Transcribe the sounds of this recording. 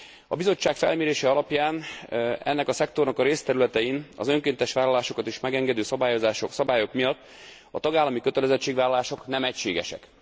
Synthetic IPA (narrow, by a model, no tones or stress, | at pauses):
ɒbizo̞t͡ʃːaːkfɛ̰lmeːɾeːʃɛɒlɒpjaːnɛ̰nːɛkɒsɛkt̪o̞rnɒkɒɾeːst̪ɛɾylɛt̪ɛjinɒ̰zø̞ŋkeːnt̪ɛʃʋaːlɒlaːʃo̞kɒt̪iʃmɛɡɛŋɡɛd̪øːsɒbaːjo̞zaːʃosɒbaːjo̞kmijɒt̪ː | ɒt̪ɒɡaːlːɒmikø̞t̪ɛlɛzɛt͡ʃːeːɡʋaːlɒlaːʃo̞knɛmɛcʃḛːɡɛ̰ʃɛ̰k